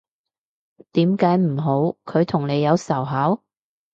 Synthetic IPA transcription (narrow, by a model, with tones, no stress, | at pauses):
t̪iː˨˥mkaː˨˥jm̩˨˩ɦo˨˥wkʰɵ˨˧ɥt̪ʰʊ˨˩ŋne˨˧jɐ˨˧wsɐ˨˩wɦaː˨˥w